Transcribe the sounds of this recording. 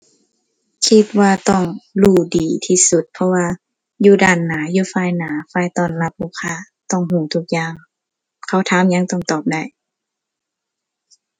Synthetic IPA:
kʰi˧t̪̚waː˧t̪ɔ˧˩ŋluː˧˩diː˨˩t̪ʰiː˧su˧˦t̪̚pʰɔ˧waː˧ | juː˧daː˧˩nːaː˨˦juː˧faː˧˥˨jnaː˨˦faː˧˩jt̪ɔː˧˨nla˧p̚huː˧˩kʰaː˧˩˨ | t̪ɔ˧˩ŋhuː˧˩˨t̪ʰu˧k̚jaː˧˨ŋ | kʰa˧˩wt̪ʰaː˧˥˨mɲa˧˥ŋt̪ɔ˧˩ŋt̪ɔː˨˩p̚da˧˩j

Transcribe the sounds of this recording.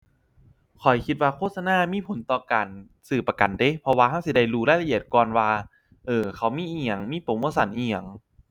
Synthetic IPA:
kʰɔ˨˩jkʰi˧t̪̚waː˧kʰoː˥˩t̪̚sa˧naː˧˥˨miː˧˥˨pʰo˨˦nt̪ɔː˧˩kaː˨˩n | sɯː˨˩pa˧ka˨˩nde˧˦pʰɔ˧waː˧ha˧˥˩wsi˧˦da˧˩jɾuː˧la˧˥˨jla˧ʔi˧˩ət̪̚kɔː˧nwaː˧ | ʔɤː˨˩kʰa˧˩wmiː˧˥˩ʔi˧a˨˩ŋmiː˧˥˨po˨˦muː˧˥˨sa˨˦nʔi˧ja˨˩ŋ

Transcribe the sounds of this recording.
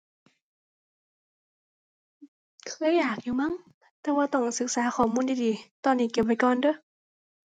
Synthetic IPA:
kʰɯː˧˥˨jaː˨˩k̚juː˨˩ma˧˥˨ŋ | t̪ɛː˧waː˧t̪ɔ˧˩ŋsɯ˨˦k̚saː˨˩˦xʰɔː˨˩muː˧˥˨ndiː˧˨diː˨˦t̪ɔː˧˩nːiː˧˩ke˨˩p̚pa˧˩jkɔː˨˩ndɤ˧˥˦

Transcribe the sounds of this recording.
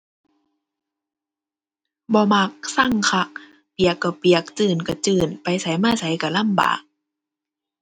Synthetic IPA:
bɔː˧˦ma˧˩k̚sa˧˥˩ŋkʰa˧˩k̚ | pi˨˩əkːa˧˩wpi˨˩ək̚t͡ɕɯː˧˨˩nka˧˩t͡ɕɯː˨˩npa˨jsa˨˦jmaː˧˥˨sa˨˦jka˧˩la˧˥˨mba̰ː˨˩k̚

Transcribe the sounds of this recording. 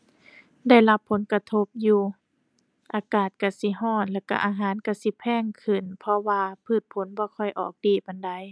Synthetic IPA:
da˥˩jla˧˥pʰːo˨˦nka˧t̪ʰo˧˥p̚juː˧ | ʔaː˧kaː˨˩t̪̚ka˧˩si˧ɦɔː˧˥˩n̚lɛː˧˩ka˧ʔaː˧ɦaː˨˦nka˧˩si˧˦pʰɛː˧˥˨ŋkʰɯ˨˩npʰɔ˧waː˧pʰɯː˧˩t̪̚pʰo˨˦nbɔː˧˦kʰɔ˧˩jʔɔ̰ː˨˩k̚diː˧˩pa˧˩nda˧˩˨j

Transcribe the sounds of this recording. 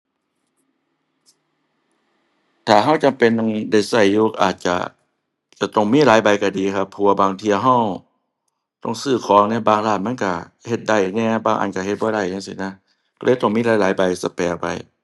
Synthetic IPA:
t̪ʰaː˨˩ɦa˧˩˨wt͡ɕa˨mpe˧˨n˧ŋda˧˩jsa˧˩jːuː˧ʔaː˨˩t̪̚t͡ɕa̰˧˩ | t͡ɕa˧˩t̪ɔ˧˩ŋmiː˧˥˨laː˨˦jba˨jka˧˩diː˨˦kʰa˧pʰːɔ˧a˧baː˨ŋt̪ʰi˧ə˨ɦa˧˥˩w | t̪ɔ˧˥˨ŋsɯː˧˩kʰɔː˨˦ŋnɛː˧˥baː˧ŋlaː˧˩t̪̚ma˧˥˨nka˧˩ | he˧t̪̚da˧˩jɲɛː˧˨baː˧˩ŋʔa̰˨nka˧˩he˧t̪̚bɔː˧˦ɾa˧˩jɲa˧˥˨sḭ˧˩na˧˥˨ | kɔ˧lʔɤː˧˦jt̪ɔ˧˩ŋmiː˧˥˨laː˨˦jlaː˨˦jba˨jsa˧˦pɛː˨˩pa̰˨j

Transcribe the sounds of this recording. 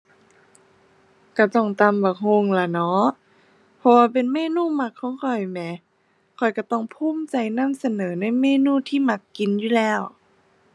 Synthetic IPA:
ka˧˩t̪ɔ˧˩ŋt̪a˧˩˨mbaː˨˩hʰo˧˨ŋla˧˩nɔ˧˦˥ʔ | pʰɔ˧waː˧p̬e˨nmeː˧˨nuː˧˥˨ma˧˩kʰːɔː˨˦ŋkʰɔ˧˩jmɛ˧˦ | kʰɔ˨˩jka˧˩t̪ɔ˧˩ŋpʰuː˧˥˨mt͡ɕa˨˩jna˧˥˨msa˧nɤː˨˦na˧˥˨jmeː˧˥˨nuː˧˥˨t̪ʰiː˧˨ma˧˩kːi˨njuː˧˩˨lɛː˧˥˩w

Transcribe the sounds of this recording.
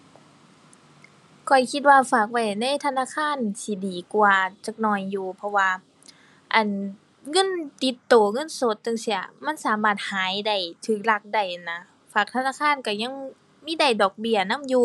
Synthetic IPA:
kʰɔ˨˩jkʰi˧t̪̚waː˧faː˨˩k̚wa˧˩jna˧˥˨jt̪ʰa˧˨naː˧˥˨kʰaː˧˥˨nsʰi˧˩diː˨˩kwaː˨˧t͡ɕa˧k̚nɔː˧˩jːuː˨˧pʰɔ˧waː˧ | ʔa˨˩n | ŋɤ˧˥˨nt̪i˧˦t̪ːoː˨˩ŋɤ˧˥˨nso˧˦t̪̚ːɤ˧˨ŋsi˧˥ʔa̰˧˩ma˧˥˨nsaː˨˦maː˧˩t̪̚haː˨˦jda˧˩jt̪ʰɯː˧˩k̚la˧˩k̚da˧˩jʔa˨˩na˧ | faː˨˩k̚t̪ʰa˧naː˧˥˨kʰaː˧˥˨nka˧˩ɲa˧˥˨ŋ | miː˧˥˨da˧˩jdɔː˨˩k̚bi˧˩ɐna˧˥˨mjuː˧

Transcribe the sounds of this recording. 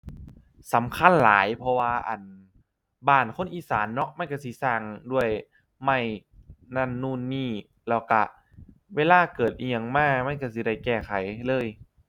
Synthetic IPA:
sa˨˦mkʰa˧˥˨nlaː˨˦jpʰɔ˧waː˧ʔa̰˨˩n | baː˧˩nkʰo˧˥˨nʔiː˧˩saː˨˦nːɔ˦˧˥ʔma˧˥˨nka˧˩si˧˦saː˧˩ŋdu˧˥˩əj | ma˧˩jna˧˩˨nːuː˧˩˨nːiː˧˥˩ | lɛː˧˩wka˧˩ | weː˧˥˨laː˧˥˩kɤː˨˩t̪̚ʔi˧a˧ŋmaː˧˥˩ma˧˥˨nka˧˩si˧˦da˧˩jkɛː˧˩kʰa˨˩˦jlɤː˧˥˨j

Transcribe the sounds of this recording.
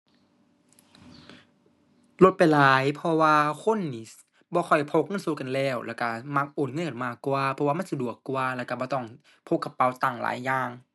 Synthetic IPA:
lo˧t̪̚pa˨jlaː˨˦jpʰɔ˧waː˧kʰo˧˥˨nːiː˨˦˩ | bɔː˧xʰɔ˨˩jpʰo˧˥k̚ŋɤ˧˥˨nso˧˦ka˨nlɛː˧˩wlʔɛ̰ː˧˩wka˧˩ma˧k̚ʔoː˨˩t̪̚ŋɤ˧˥˨ka˨˩nmaː˧˩kːwaː˧pʰɔ˧waː˧ma˥˨nsa˧du˨˩əkːwːlɛː˧˩wka˧bɔː˧t̪ɔ˧˩ŋ | pʰo˧˥kːa˧˩pːa˧˩wt̪a˧˩ŋla̰ː˨˦jːaː˧ŋ

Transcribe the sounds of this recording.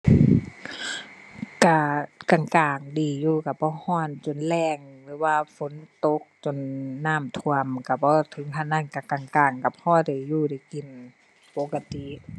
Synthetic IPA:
ka˧˩ka˧˨˩ŋkaː˨˩ŋdiː˨˩juː˧˩ka˧˩bɔː˧˦˨hɔː˧˥˨nt͡ɕo˨nlɛː˧˩ŋlɯː˨˦waː˧fo˧˦nt̪o˧˦k̚t͡ɕo˨˩˨nːaː˧˥˩mt̪ʰu˧˨əmka˧˩bɔː˧˦t̪ʰɤ˧˨˦ŋkʰa˧˩naː˧˥˨nka˧˩ka˨˩ŋkaː˨˩ŋka˧˩phɔː˧˨da˨˩˨juː˧˩˨da˧˩ki˨˩n | po˧˦ka˧t̪i˧˨ʔ

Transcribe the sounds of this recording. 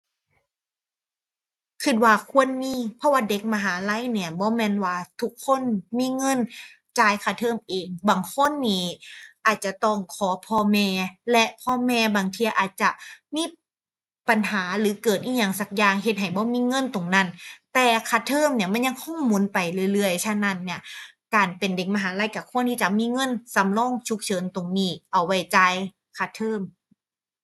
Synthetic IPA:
kʰɯ˧˩t̪̚waː˧kʰu˧˥ənmiː˧˥˨pʰɔ˧˥waː˧˩de˧˦k̚ma˧ɦaː˨˩˦la˧˥˨jni˧˩ɐbɔː˧˦mɛː˧˥˨nwaː˧t̪ʰu˦˥kʰːo˧˥˨nmiː˧˥˨ŋɤ˧˥˨n | t͡ɕaː˧˩jkʰaː˧˩t̪ʰɤː˧˩˨mʔeː˨ŋbaː˨˩ŋkʰo˧˥˨nːiː˧˩ʔaː˨˩t̪̚t͡ɕa˨˧˩t̪ɔ˧˩ŋkʰɔː˨˩˦pʰɔː˧mɛː˧lɛ˧ʔpʰɔː˧mɛː˧baː˨ŋt̪ʰi˧ɐʔaː˨˩t̪̚t͡ɕa˧˨˩miː˧˥˨ | pa˨˩nhaː˩˦lɯː˨˦kɤː˨˩t̪ʔiː˧˩˨ɲa˧˩ŋsa˧˩k̚jaː˧ŋɦe˧t̪̚ɦa˨˩jbɔː˧˥˦miː˧˥˨ŋɤ˧˥˨nt̪o˨˩ŋna˧˩˨nt̪ɛː˧˩kʰa˧˩t̪ʰɤː˧˥˨mni˧˥ɐma˧˥˨nɲa˧˥ŋkʰɔ˧˥˩ŋmuː˧˦˨npa˨jlɯ˧˨lɯ˧˩əjt͡ɕʰa˧na˧˩˨nːi˧˩ɐ | kaː˨˩npe˨nde˨˩ŋ̚ma˧ɦaː˨˦la˧˥˩jkaː˧˩kʰu˧˩ənt̪ʰiː˧˥˩t͡ɕa˧˨miː˧˥˨ŋɤ˧˥˨nsa˨˧˦mlɔː˧˥˨ŋt͡ɕʰu˧˦k̚t͡ɕʰɤː˨˦nt̪o˨˩ŋniː˧˥˩ʔa˨˩wːa˧˩jt͡ɕa˧j | kʰa˧˩t̪ʰɤː˧˥˨m

